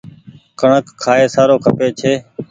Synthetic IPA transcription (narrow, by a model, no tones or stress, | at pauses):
kəɳəkʰːaːeːsaːɾoːkʰəpeːt͡ʃʰeː